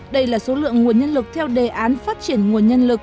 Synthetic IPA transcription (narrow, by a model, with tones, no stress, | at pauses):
ɗə˧jlaː˨˩so˨˦lɨ̰˧˨əŋːŋu˨˩ənɲə˧nlɨ˨˩k̚t̪ʰɛ˧wɗe˨˩ʔaː˨˦nfaː˦˥t̚t͡ɕi˧˩ənŋu˨˩ənɲə˧nlɨ˨˩k̚